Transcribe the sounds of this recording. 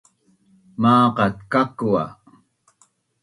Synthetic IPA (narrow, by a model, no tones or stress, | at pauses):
mɑːqɑt̪kakua̰